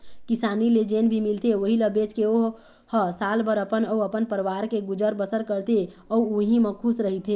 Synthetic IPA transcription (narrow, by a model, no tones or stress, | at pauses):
kisaːniled͡ʒeːnbʱimɪlt̪eʋəɦiləbeːt͡ʃkeo | həsaːlbəɾəpənɔuəpənpəɾʋaːɾkeɡʊd͡ʒəɾbəsəɾkəɾt̪e | ɔuɦimə̃kʰusɾəɦit̪ʰeː